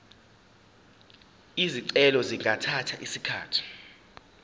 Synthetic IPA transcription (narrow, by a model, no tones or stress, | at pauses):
iziǀɛlɔziŋʱatʰatʰaʔisikʰa̰ːtʰi̥